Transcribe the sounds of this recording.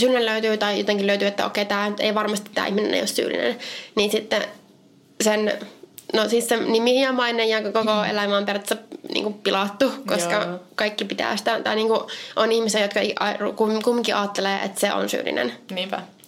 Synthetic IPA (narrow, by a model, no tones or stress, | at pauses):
syːlineløyt̪yːt̪ɑijot̪eŋkiløyt̪yːet̪ːæo̰kːeit̪æːḛiʋɑrmɑst̪it̪ːæ̰ːihminḛnḛijo̰ssy̰ːlḭnḛnniːnsit̪ːe | sennosissenimihjjɑmɑinejjɑkokoḛlæmæːmpert̪senḭːŋkuppilɑt̪ːukoskɑkɑikːipit̪æ̰ːsi̥t̪æt̪ɑiniːŋkuʔonihmisejot̪kɑiɑukumkumːiŋkiʔɑːt̪ːeleːʔḛt̪seo̰nsy̰ːlḭnḛnniːpæ